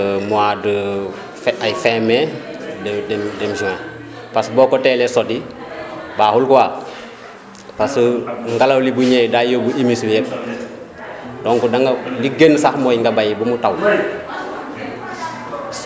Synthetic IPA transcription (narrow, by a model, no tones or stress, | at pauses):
muadə | fajfɛːmɛ | ɛdɛdɛmsiŋa | pasbɔkɔtɛːlɛsɔdi | baːhulkuwaː | pasŋɡalɐwlibuɲɛjdaːjobuʔimisbjɛp | dɔŋkudaŋɡaliɡensaxmɔjŋɡɐbajibumutaw